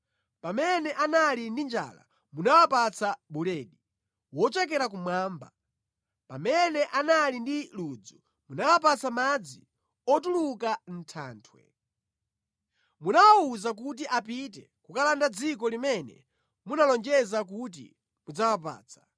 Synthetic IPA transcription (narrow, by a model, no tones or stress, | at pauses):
pamɛnɛʔanalindind͡ʒa̰la̰ | munawapat͡sʰaɓulɛːɗi | wɔt͡ʃɛk̬ɛɾak̬umwaːmba | pamɛnɛʔanalindilud͡zu | munawap̬at͡samad͡zi | ɔtulukan̩tʰa̰ːntʰwɛ̰ | munawauzak̬ut̬iʔapit̬ɛ | kukalandad͡zikɔlimɛnɛ̰ | munalɔnd͡ʒɛzak̬ut̬ḭ | mud͡zawap̬a̰ːt͡sʰḁ